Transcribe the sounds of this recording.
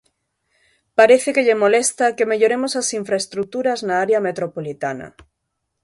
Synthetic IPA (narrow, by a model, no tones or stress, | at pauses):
paɾeθekeʎemolest̪akemeʎoɾemosasiɱfɾaest̪ɾut̪uɾaznaaɾeamet̪ɾopolit̪anɐ̰